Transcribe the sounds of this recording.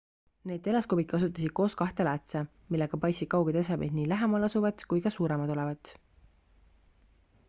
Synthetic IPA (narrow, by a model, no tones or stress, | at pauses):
ne̞ːd̪e̞lɑskobid̪̥̚kɑs̬ut̪ːˑɑsid̪̥̚ko̞ːskɑht̪e̞læt̪se | milːe̞ɡ̥ɑpɑjsid̥̪̚kɑwɡ̥et̪es̬ɑbed̪niːlæɦemɑlɑsuvɑd̪̥kujkɑsuːɾemɑd̪̥o̞levɑt̪